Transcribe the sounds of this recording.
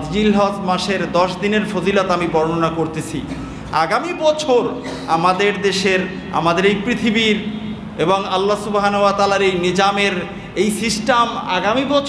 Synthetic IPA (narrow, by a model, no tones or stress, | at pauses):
d͡ʑd͡ʑilɦɔsmaʃeɾd̪ɔʃd̪ineɾfozilot̪amibɔɾnonakoɾt̪et͡ɕʰḭ | aɡamibɔt͡ɕʰoɾ | amad̪eɾd̪eʃeɾ | a̰mad̪eɾejpɾit̪ʰibiɾ | eboŋalːasubɦanowat̪aːlaɾejnid͡ʑameɾ | ejsisʈama̰ɡamibɔt͡ɕʰ